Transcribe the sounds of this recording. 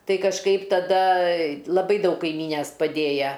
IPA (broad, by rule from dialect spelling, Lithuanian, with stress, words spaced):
ˈtɐɪ kɐʃˈkɐɪp tɐˈdɐ lˠɐˈbɐɪ ˈdɐʊk kɐɪˈmʲiːnʲɛs pɐˈdʲeːjɛ